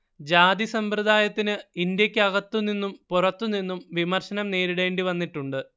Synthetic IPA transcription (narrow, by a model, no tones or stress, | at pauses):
d͡ʑaːd̪isɐmprɨd̪ʱaːjɐt̪ːinɨind̪jɐkʲːɨɐɣɐt̪ːuninːumpurɐt̪ːuninːumʋimɐrɕɐnɐmne̞ːɾiɽe̞ːɳɖiʋɐnːiʈːuɳɖɨ